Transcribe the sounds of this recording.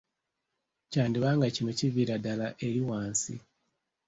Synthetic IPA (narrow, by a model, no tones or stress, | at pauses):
caːndiβaːŋɡacinociviɾadalaʔe̞ɾiwaːnsḭ